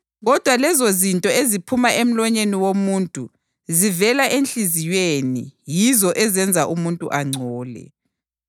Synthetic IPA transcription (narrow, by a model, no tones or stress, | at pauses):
ɣɔd̥ʱwalɛzozintʼɔezipʰumaʔem̩lɔɲeniwomuːntʼu | zivɛlaʔenɬʼizijenḭjizɔʔɛzɛnd͡zʱaʔumuntʼṵʔaŋ͡ǀʱɔːlɛ̰